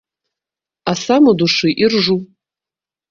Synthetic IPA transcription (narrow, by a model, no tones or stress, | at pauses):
asamoduʂiʔɪrʐu